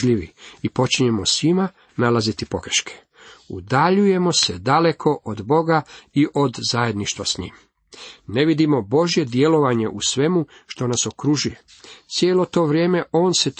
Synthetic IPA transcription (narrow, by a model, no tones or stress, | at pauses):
ʎiʋiipo̞t͡ʃiɲe̞mo̞sʋima | nalazit̪ipo̞ɡɾeʃkʰe̥ | ṵd̪aʎuje̞mo̞sed̪ale̞kʰo̞ʔod̪bo̞ɡaiʔo̞d̪zaje̞d̪niʃt̪ʋasɲḭːm | ne̞ʋid̪imo̞bo̞ʒje̞d̪je̞lo̞ʋaɲe̞ʔusʋe̞muʃt̪o̞naso̞kɾuʒuje̞ | t̪sjeːlo̞t̪o̞ːʋɾje̞ːme̞ʔo̞ːnse̞t̪